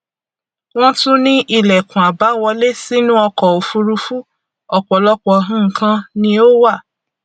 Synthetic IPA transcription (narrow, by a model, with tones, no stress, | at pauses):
w̃ɔ̃˦tũ˦nĩ˦ʔi˧˨lɛ˨kũ˨a˨ba˨˦wɔ˧le˦si˦nũ˦ɔ˧kɔ˨o˨fu˧ɾu˧fu˦ | ɔ˧k͡pɔ˨lɔ˦k͡pɔ˧ɦũ˦ŋ̩˨kã˧nĩ˧˦o˦wa˦˨